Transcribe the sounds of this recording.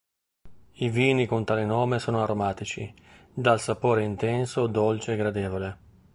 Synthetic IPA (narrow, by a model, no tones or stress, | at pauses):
iviːnikont̪aːlenoːmesoːnoaɾomaːt̪it͡ʃḭ | d̪alsapoːɾeint̪ɛnsod̪olt͡ʃeɡɾad̪eːvole